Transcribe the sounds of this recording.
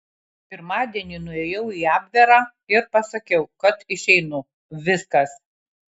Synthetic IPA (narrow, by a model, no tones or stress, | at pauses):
pʲɪɾmɑːd̪ʲiɛnʲinʊeːjɛʊiːɑːbʲʋʲɛɾɑː | ɪɾpɐsɐkʲɛʊkɐt̪ɪʃʲɛɪnʊ | ʋʲɪskɐs